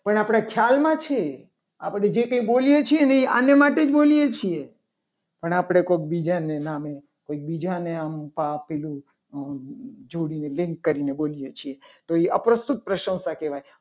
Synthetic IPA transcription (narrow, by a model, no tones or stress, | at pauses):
pəɳapɽ̃akʰjalmãt͡ʃʰe | apɽ̃ed͡ʒekə̃ĩbolijet͡ʃʰieneia̰njəmaʈed͡ʒbolijet͡ʃʰie | pəɳapɽ̃ekok̚bid͡ʒanename | koik̚bid͡ʒaneampapɛlũ | d͡ʒoɽinelĩŋkːəɾinebolijet͡ʃʰiet̪oiəpɾəst̪ut̪̚pɾəʃə̃wsakeʋaj